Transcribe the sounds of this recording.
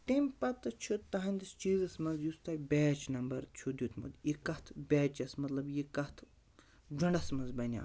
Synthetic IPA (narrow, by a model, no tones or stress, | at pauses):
t̪empɐt̪ɐt͡ʃʰut̪ːɐɦɐnʲd̪ist͡ʃiːzɐsmɐnzjust̪ɐbeːt͡ʃnɐmbɐɾt͡ʃʰud̪ʲut̪ʰmɐ̰d̪ikɐt̪ʰbʲɛːt͡ʃɐsmɐt̪lɐbjikɐt̪ʰ | d͡ʒɐɳɖɐsmɐnzbɐnʲa̰